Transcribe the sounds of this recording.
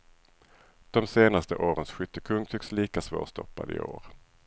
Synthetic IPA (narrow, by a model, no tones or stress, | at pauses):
d̪̥ɔmseːnast̪əʔoːɾənsɧʏt̪ːəkʰɵŋt̪ʰʏksliːkasvo̰ːst̪ɔ̰pːa̰d̪ɪ̰ʔo̰ːɾ